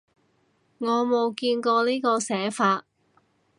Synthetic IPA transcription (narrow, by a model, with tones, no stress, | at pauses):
ŋɔː˨˧mo˨˧wkiː˧nkɔː˧niː˥kɔː˧sɛː˨˥faː˧t̚